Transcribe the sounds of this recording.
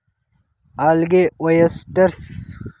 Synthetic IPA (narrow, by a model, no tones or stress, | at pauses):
alɡewɐjɐst̪ɐɾs